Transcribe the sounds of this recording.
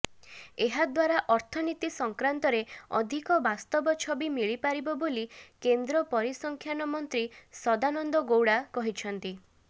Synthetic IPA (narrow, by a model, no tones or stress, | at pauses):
eɦad̪waɾaʔɔɾt̪ʰɔnit̪isɔŋkɾant̪ɔɾeɔ̰d̪ʱikɔbast̪ɔbɔt͡ʃʰɔbimiɭipaɾibɔbolikend̪ɾɔpɔɾisɔŋkʰjanɔmɔnt̪ɾisɔd̪anɔnd̪ɔɡowɽakɔɦit͡ʃʰɔnt̪i